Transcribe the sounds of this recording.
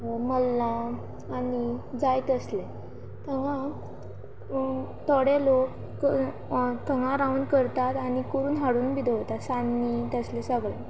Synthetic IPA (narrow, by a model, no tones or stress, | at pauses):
məlːãː | nid͡zajt̪əsle | t̪ʰəŋã | t̪ɔɽelo | kə | t̪ʰəŋãɾaunkəɾt̪at̪aɽ̃ikuɾuːnɦaɽuːnbid̪oɦt̪asanːit̪əslẽsəɡɭẽ